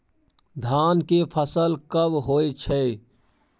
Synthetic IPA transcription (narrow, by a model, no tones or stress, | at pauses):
d̪ʱaːnkepʰəsəlkəbɦoːet͡ʃʰɛː